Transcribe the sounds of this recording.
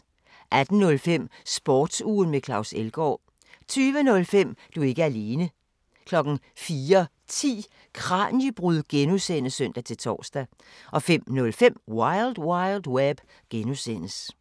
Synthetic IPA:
ʔæd̥n̩nɔ̽lfem̰sb̥ɒːd̥sṵːn̩mekʰlɑ̈ʊselɡ̥ɒ̰ː | t͡sʰyːʋənɔ̽lfem̰d̥ue̝ɡ̥əææle̝ːnə | kʰlɒ̽ɡ̥n̩ | fiːɐ | t͡sʰḭː | kʰʁɑ̈ːnjəb̥ʁuð̰ˠɡ̥enusen̰əsœn̰d̥æt͡sʰe̝lt͡sʰɒ̰ːsd̥æ | ʔɒ̽fem̰nɔ̽lfem̰wɑ̈ɪld̥wɑ̈ɪld̥web̥ | ɡ̥enusen̰əs

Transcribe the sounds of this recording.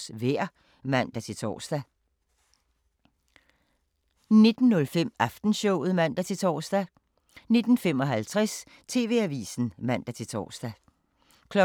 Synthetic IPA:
sʋeɐ̰ | mæn̰d̥æt͡sʰe̝t͡sʰɒ̰ːsd̥æ | ne̝d̥n̩ːɔ̽lfem̰ɑfd̥n̩ɕɔʊ̰ð̩ˠmæn̰d̥æt͡sʰe̝t͡sʰɒ̰ːsd̥æ | ne̝d̥n̩fem̰ɒ̽ɦælt͡sʰʁɛs | t͡sʰe̝ːʋe̝̰ːæʋḭːsn̩mæn̰d̥æt͡sʰe̝t͡sʰɒ̰ːsd̥æ | kʰlɒ

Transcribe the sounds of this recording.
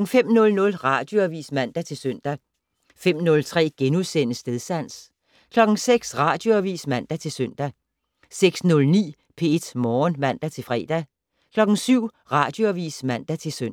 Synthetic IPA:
ŋ̩fem̰nɔ̽lnɔ̽lʁɑ̈d̥jo̝æʋḭːsmæn̰d̥æt͡sʰe̝lsøn̰d̥æ | fem̰nɔ̽lt͡sʰʁɛ̰ːɡ̥enuðˠsen̰əsd̥eðˠsæn̰s | kʰlɒ̽ɡ̥ŋ̩seɡ̥sʁɑ̈d̥jo̝æʋḭːsmæn̰d̥æt͡sʰe̝lsøn̰d̥æ | seɡ̥snɔ̽lnḭː | pʰe̝e̝d̥mɒːnmæn̰d̥æt͡sʰe̝lfʁɛ̰ːd̥æ | kʰlɒ̽ɡ̥ŋ̩syʊ̰ | ʁɑ̈d̥jo̝æʋḭːsmæn̰d̥æt͡sʰe̝søn

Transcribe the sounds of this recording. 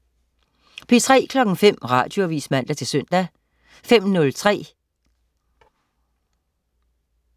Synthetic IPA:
pʰit͡sʰʁɛ̰ːkʰlɒ̽ɡ̥ŋ̩fem̰ʁɑ̈ːd̥jo̝æʋḭsmæn̰d̥æɐt͡sʰe̝lsøn̰d̥æ | fem̰nɔ̽lt͡sʰʁɛ̰ː

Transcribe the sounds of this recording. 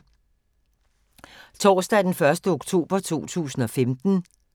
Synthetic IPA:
t͡sʰɒ̰ːsd̥æd̥enfɶɐsd̥əoɡ̥t͡sʰo̝̰ːb̥ɐt͡sʰo̝̰ːt͡sʰṵːsn̩ɒ̽femd̥n̩

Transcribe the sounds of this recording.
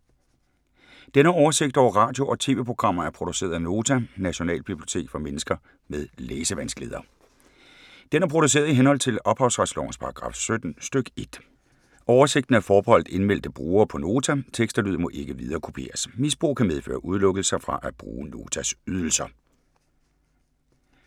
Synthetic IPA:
d̥enəɒʊɐse̝ɡ̥̚d̥ɒʊ̰ɐʁɑ̰̈ːd̥jo̝ʔɒ̽t͡sʰe̝ːʋe̝pʰʁo̝ɡ̥ʁɑ̈m̰ɐæɐpʰʁo̝d̥use̝̰ːɐðˠæno̝ːt͡sʰænæɕo̝nɛ̰ːlb̥ib̥lio̝̥t͡sʰe̝̰ːɡ̥fɒ̽menəsɡ̥ɐ | með̞ˠleːsəʋænsɡ̥leːðˠɐ | d̥enæɐpʰʁo̝ɾ̥us̬e̝̰ːɐðˠiɦenhɒ̽l̰t͡sʰe̝lɒ̽b̥hɑ̈ʊsʁaslɒ̰ʊnspʰɑ̈ʁɑ̈ɡ̥ʁɑ̈ːfsød̥n̩sd̥øɡ̥e̝d̥ | ɒʊɐse̝ɡ̥d̥n̩æɐfɒːb̥ehɒ̽l̰d̥̩e̝nmel̰d̥əb̥ʁuːɐːpʰɒ̽no̝ːt͡sʰæt͡sʰeɡ̥sd̥ɐlyð̰ˠɐmɒ̽ʔe̝ɡ̥əʋið̞ˠɐːkʰo̝pʰe̝̰ːɐsmisb̥ʁṵːkʰæmeð̞ˠfø̰ːɐʔuð̞ˠlɔ̽ɡ̥l̩sɐfʁɑ̈ʔæ̥b̥ʁṵːno̝ːt͡sʰæsyð̞ˠl̩sɐ

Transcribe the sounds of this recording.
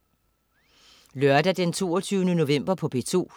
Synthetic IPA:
lɶɐd̥æd̥ent͡sʰo̝̰ːɐt͡sʰyːʊnəno̝ʋem̰b̥ɐpʰɒ̽b̥e̝t͡sʰo̝̰ː

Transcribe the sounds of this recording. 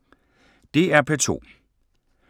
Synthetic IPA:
d̥e̝æɐpʰet͡sʰo̝̰ː

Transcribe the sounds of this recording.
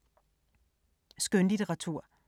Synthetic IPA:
sɡ̥ønlit͡sʰeʁɑ̈t͡sʰuɐ̰

